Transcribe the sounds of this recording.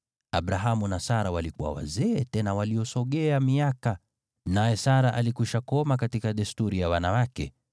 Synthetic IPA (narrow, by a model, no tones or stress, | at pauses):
aɓɾaɦamunasaɾawalikuwa̰wa̰zɛːtɛnawaliɔsɔɠɛamiaka | najɛsaɾaʔalikuʃakɔmakatikaɗɛstuɾijawanawakɛ̰